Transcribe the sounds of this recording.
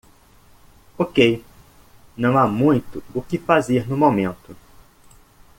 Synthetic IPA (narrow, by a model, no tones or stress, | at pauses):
okej | nɐ̃w̃amũj̃t̪ʊʊkɪfazeɾnʊmomẽnt̪ʊ